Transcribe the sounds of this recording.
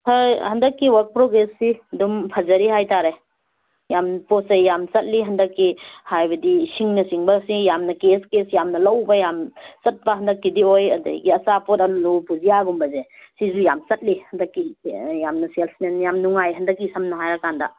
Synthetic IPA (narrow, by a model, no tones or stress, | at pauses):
tʰɐhɐndɐkːiwɐɾk̚pɾoɡɾesːidumpʰɐzɐɾiɦajtaɾe | jampɔsejjamsɐt̚liɦɐndɐkːihajbɐdisiŋnɐsiŋbɐsijamnɐkeskesjamnɐlɐwbɐjamt͡ʃɐt̚bɐɦɐndɐkːidiojɐ̰dɐ̰ɡiɐsapɔtanlupuzijaɡumbɐzesizujamt͡ʃɐt̚lihɐndɐkːijamnɐselsnenjamnuŋajɦɐndɐkːisɐmnɐɦajɾakandɐ̰